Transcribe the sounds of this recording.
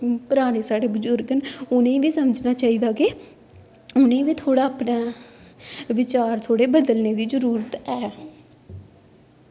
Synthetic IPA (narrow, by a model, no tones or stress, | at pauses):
pəɾaːñeːsaːɽeːbʊzʊɾɡənʊnẽːʋiːsəməd͡ʒnaːt͡ʃaːiːd̪aːkeː | ʊnẽːʋiːt̪ʰoːɽaːpnaː | ʋɪt͡ʃaːɾt̪ʰoːɽeːbəd̪əlneːd̪iːzəɾuːɾət̪ɛː